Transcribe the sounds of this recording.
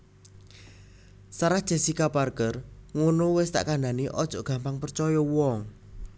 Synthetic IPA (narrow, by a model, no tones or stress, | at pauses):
saɾahd̥ʒ̥a̤sikaparkərŋonowɪst̪a̰ʔkandaniʔɔd̥ʒ̥ɔ̤ʔɡ̥a̤mpaŋpərt͡ʃɔjɔwɔŋ